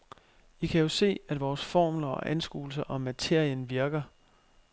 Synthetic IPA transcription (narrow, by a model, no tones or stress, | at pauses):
ʋikʰæjo̝se̝̰ːæd̥ʋɒːsfɒ̰ːmlɐɒ̽ʔænsɡ̥ṵːl̩sɐʔɒ̽mæt͡sʰe̝ɐ̰jənʋiɐɡ̥ɐ